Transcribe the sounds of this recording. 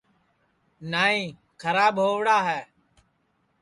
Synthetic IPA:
naːĩː | kʰəɾaːɓɦoːʋɽaːɦɛː

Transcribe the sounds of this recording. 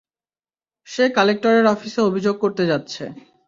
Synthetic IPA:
ʃekalek̚ʈoɾeɾɔfiseobʱid͡ʑoɡ̚koɾt̪ed͡ʑat̪ːɕʰḛ

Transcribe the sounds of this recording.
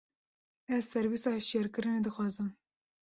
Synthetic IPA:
ɛzsɛɾbisɑːhɛʃjɛɾkɨɾɨneːd̪ɨxwɑːzɨm

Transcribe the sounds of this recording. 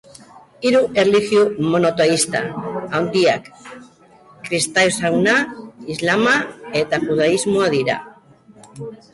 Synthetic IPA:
iɾuʔerlixjumo̞not̪oist̪a̰awnd̪iak | ɾist̪ajsawnaizlamae̞t̪axuð̞aizmoaðiɾa̰

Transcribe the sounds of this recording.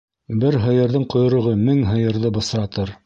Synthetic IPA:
bɘɾɦɤ̆jɤ̆ɾðɤɴqŏjŏɾɤ̆ʁɤmɘŋɦɤ̆jɤ̆ɾðɤbɤ̆sɾɑt̪ɤɾ

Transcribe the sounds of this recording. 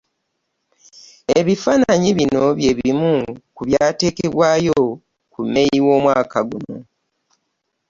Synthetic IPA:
e̞βifaːnaɲiβino̞βje̞βimukuβjaːte̞ːke̞βwaːjo̞ | kume̞jiwo̞ːmwaːkaɡuno̞̰

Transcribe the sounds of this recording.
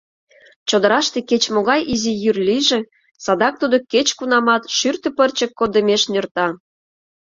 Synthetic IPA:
t͡ɕod̪əɾɑʃt̪eket͡ɕmoɣɑjizijyrlʲiʒĕ | sɑd̪ɑk̚t̪ud̪oket͡ɕkunɑmɑt̪ʃyrt̪ə̆pərt͡ɕə̆kːod̪ə̆mʲeʃnørt̪ɑ

